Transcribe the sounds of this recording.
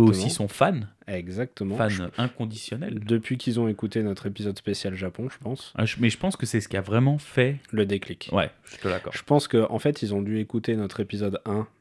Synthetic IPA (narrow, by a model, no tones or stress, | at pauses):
osĩsɔ̃fan | ɛɡzak̚t̪əmɑ̃fanɛ̃kɔ̃d̪isjɔnɛ̰ld̪əpɥikʰʲilzɔ̃ekut̪enɔt̪χepizɔd̪spesjalʒapɔ̃ʒəpɑ̃sa̰ʒəmɛʒəpɑ̃skəsɛsə̥kʲiavʁɛmɑ̃fɛləd̪eklikwɛ̰ʒyt̪əd̪a̰kɔ̰ʁʒ̥ə̥pɑ̃skəʔɑ̰̃fɛt̪ilzɔ̃d̪yekut̪enɔt̪χepizɔd̪ɛ̃